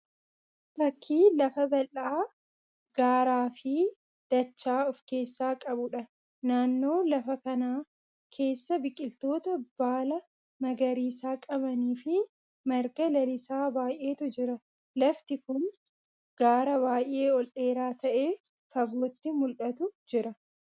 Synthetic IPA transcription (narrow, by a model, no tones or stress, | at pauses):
t̪ɐkʰːiːlɐfɐbɐlʔaː | ɡ̥aːɾaːfɪ | d̪̥ɐt͡ʃːaːɔfke̞ːsːaːkʼɐbʊᶑɐ | naːnːo̞ːlɐfɐkɐnaː | kʰe̞ːsːɐbɪkʼːɪlt̪o̞ːt̪ɐb̥aːlɐ | mɐɡɐɾiːsaːkʼɐbɐniːfɪ | mɐɾɡɐlɐlɪsaːbaːjʔe̞ːt̪ʊd͡ʒɪɾɐ | lɐft̪ɪkʊn | ɡ̥aːɾɐβaːjʔe̞ːɔlʔe̞ːɾaːt̪ɐʔe̞ː | fɐboːt̪ːɪmʊlʔɐt̪ʊd͡ʒɪɾɐ